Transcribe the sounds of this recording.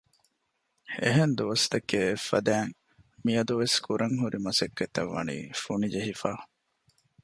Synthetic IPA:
ḛɦend̪uʋɐst̪ɐkːeːfːɐd̪æːŋ | miɐd̪uʋeskʰuɾʔɐŋɦuɾʔimɐsɐkːɐt̪ɐ̰ʋːɐ̰nḭːfunid͡ʒeɦifaː

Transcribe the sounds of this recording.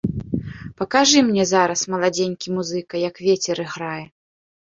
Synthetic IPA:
pɐkaʐɨmnʲɛzaɾɐsmɐlˠad͡zʲenʲkʲimuzɨkɐjɐkvʲet͡sʲɛɾɨɣɾajɛ

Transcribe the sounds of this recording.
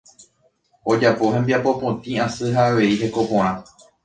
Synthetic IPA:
o̞d͡ʒapo̞ɦẽ̞mbiapo̞põt̪ĩãsɨɦaːʋe̞iɦe̞ko̞põɾ̃ã

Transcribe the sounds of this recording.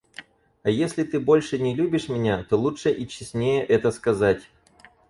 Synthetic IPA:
ɐjesʲlʲɪt̪ɨbo̞lʲʂɨnʲɪlʲubʲɪʂmʲɪnʲat̪o̞lˠuʂəʔit͡ɕːɪsʲnʲejəʔɛt̪əskɐzatʲ

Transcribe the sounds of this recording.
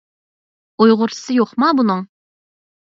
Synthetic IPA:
ojʁʊɾt̪ʰɨ̥sɨjoqmɑbunɨŋ

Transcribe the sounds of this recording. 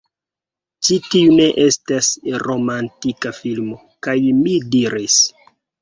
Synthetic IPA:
t͡ʃitiune̞ʔe̞stasɾo̞mantikafilmo̞ | kajmidiɾis

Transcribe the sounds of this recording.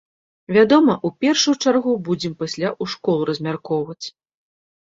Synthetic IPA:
vʲad̪ɔmɐʔupʲɛrʂujut͡ʂarɣubud͡zʲɛmpasʲlʲaʔuʂkɔlˠɾɐzʲmʲarkɔwvɐt͡sʲ

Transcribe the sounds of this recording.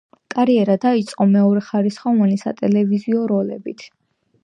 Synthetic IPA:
kʼaɾiɛɾad̪ait̪sʼqʼɔmɛɔɾɛχaɾisχɔvanisa̰t̪ʼɛlɛviziɔɾɔlɛbit̪ʰ

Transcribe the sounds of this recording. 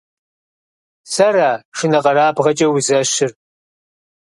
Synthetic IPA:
sɐraːʂɨnɐqʼɐɾaːbʁɐt͡ʃʼɐwʊzɐɕɪr

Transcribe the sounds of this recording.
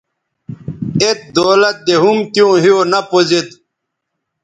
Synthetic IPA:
et̪̚d̪oːlɐt̪̚d̪eɦumt̪jõːɦijonɐpozet̪

